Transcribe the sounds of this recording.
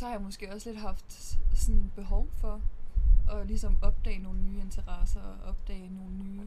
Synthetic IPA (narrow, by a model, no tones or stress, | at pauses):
sɒ̽hɑ̈jamɔsɡ̥e̝̰ːɒ̽sle̝d̥ɦɑ̈fd̥sɔ̽nb̥e̝ɦɒʊfɒ̽ | ʔɒ̽lisɒ̽mɒ̽b̥̚d̥ɛ̰ːɪno̝ːl̩ənyːe̝nt͡sʰɐʁɑsɐɒʔɒ̽b̥̚d̥ɛ̰ːɪno̝ːl̩nyː